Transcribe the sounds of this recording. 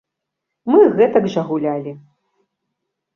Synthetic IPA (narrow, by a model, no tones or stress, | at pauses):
mɨɣɛt̪ɐɡʐɐɣulʲalʲi